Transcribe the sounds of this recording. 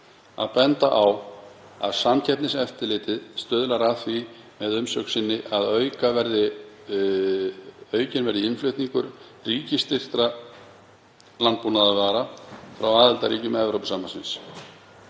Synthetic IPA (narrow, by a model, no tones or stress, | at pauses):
a̰ðpɛnt̪aʔawa̰ðsamcʰɛt̪nɪsɛft̪ɪlɪːt̪ɪðst̪œːðʏlaɾaðθvi | mɛðʏmsœksɪnːɪʔaðœːɥkavɛɾðɪ | œːɥcɪnvɛɾðɪɪnflʏɥht̪niŋkʏɾ̥ | riːcɪst̪ɪr̥t̪ɾa | lant̪punaðavaɾafɾawaːðɪlt̪aɾiːcʏmɛvɾowpsaːmansɪ̰ns